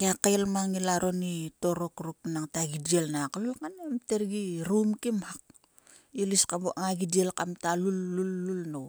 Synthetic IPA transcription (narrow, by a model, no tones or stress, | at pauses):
ɡakajlmaŋilaɾʔo̞nito̞ɾo̞kɾuknaŋtaɡidielnaklulkanemteɾɡiɾumkimhak̚ | iliskabuʔaŋaɡidielkamtalulːulːulnow